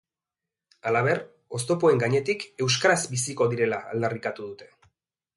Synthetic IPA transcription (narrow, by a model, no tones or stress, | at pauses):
alaβ̞e̞r | o̞s̬t̪o̞po̞e̞ŋɡaɲe̞t̪ike̞wskaɾazbisiko̞ðiɾe̞la̰ːld̪arikat̪uðut̪e̞̥